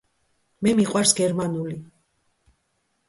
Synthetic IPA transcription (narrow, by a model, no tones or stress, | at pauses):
mɛmiqʼwaɾsɡɛɾmanuli